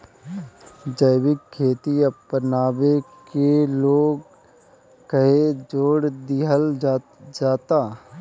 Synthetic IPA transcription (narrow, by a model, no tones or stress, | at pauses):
d͡ʒəjbɪkʰːeːt̪iɐpːənaːbekeloːɡ | kəɦed͡ʒoːɽd̪iɦəl | d͡ʒaːt̪aː